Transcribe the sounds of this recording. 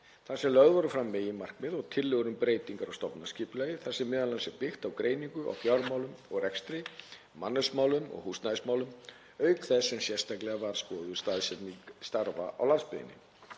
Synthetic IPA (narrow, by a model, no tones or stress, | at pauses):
θasɛmlœɣðvaɾʏfɾamːɛːjɪmar̥kmɪðɔɣt̪ʰɪlːʏɣʏɾʏmpɾeːjt̪iŋkaɾɔɣst̪ɔpnasciːpʏlɛjɪθɛsːɛmːɛːðalansɛpɪxt̪awkɾʔeːjniŋkʏʔa̰wfjawɾmaːwlʏmɔɣrɛkst̪ɾɪ | manːœɥsmaːwlʏmɔ̰ɣhust̪naɪsmaːwlʏm | œːɥkθɛsːɛmsjɛr̥st̪aklɛɣavaɾspɔːðʏst̪aðsɛtnist̪aɾva̰ʔa̰wlanspɪðɪ̰nːɪ̰